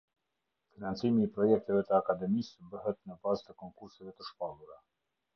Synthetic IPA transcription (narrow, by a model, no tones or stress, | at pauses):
finant͡simiːpɾɔjɛk̚t̪ɛvɛt̪əakad̪ɛmisbəɦɛt̪nəbazt̪əkɔŋkuɾsɛvɛt̪əʃpalˠuɾa